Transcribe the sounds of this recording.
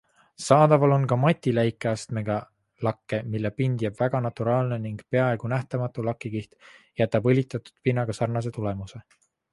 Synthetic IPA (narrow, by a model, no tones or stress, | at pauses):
sɑːd̪̥ɑvɑlo̞nkɑmɑt̪ʲːilæjkːˑeɑst̪me̞ɡ̥ɑ | lɑkːe̞milːepind̪̥jæb̥væɡ̥ɑnɑt̪uɾɑːlne̞niŋɡ̥pe̞ɑe̞ɡ̥unæht̪ɑmɑt̪ːˑulɑkːˑiɡiht̪jæt̪ːˑɑbɤlʲit̪ːˑɑt̪u̥d̪̥pinːɑɡ̥ɑsɑrnɑs̬e̞t̪ule̞muse̞